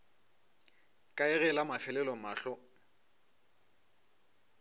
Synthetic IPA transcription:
kʼaɛɣɛlamafɛlɛlɔmaːɬɔ

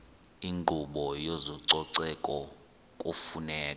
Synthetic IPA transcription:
iŋŋ͡ǃʱuɓɔjozɔǀɔǀɛkʼɔ | kʼufunɛːka

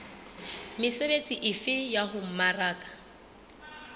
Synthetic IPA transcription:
mɪsebet͡sʼiʔɪfɪjaɦʊm̩maraːkʼḁ

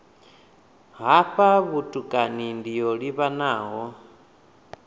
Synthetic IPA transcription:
ɦaɸaβutʼukʼanindijoɺiβanaːɦɔ

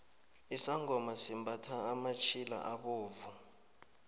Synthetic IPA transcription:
isaŋʱɔmasimbʱatʰaːmat͡ʃʰila̰ʔaɓoːvu

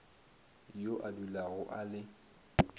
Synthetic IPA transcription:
joʔadulaɣʊʔalɪ

